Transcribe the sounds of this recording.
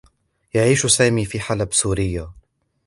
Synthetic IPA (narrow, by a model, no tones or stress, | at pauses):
jaʕiːʃsaːmiːfiːħalabsuːɾɪjːa